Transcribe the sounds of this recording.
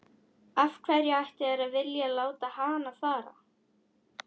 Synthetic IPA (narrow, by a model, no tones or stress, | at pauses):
afkʰvɛɾjɪajht̪ɪɛɾavɪljalaːwt̪ahaːnaθaːɾa̰